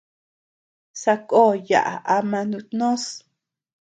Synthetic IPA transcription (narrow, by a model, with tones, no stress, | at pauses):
sa˧ko˦˨ja̰˨ʔa̰˨ʔa˧mã˧nũ˧t̪nõ˦s